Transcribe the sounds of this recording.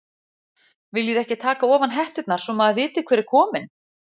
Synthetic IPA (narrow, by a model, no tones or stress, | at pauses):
vɪljɛðɛhcɪt̪ʰaːkaɔːvanɦɛht̪ʏt̪naɾ̥sɔmaðavɪːt̪ɪkʰvɛːɾɪɾ̥kʰɔːmɪn